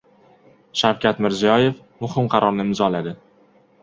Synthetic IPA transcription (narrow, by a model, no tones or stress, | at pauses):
ʃawkʲat̪mɪɾzijɒje̞f | mʊhɪmqʰɑɾʔɒɾnɪɪmzɒlad̪ɪ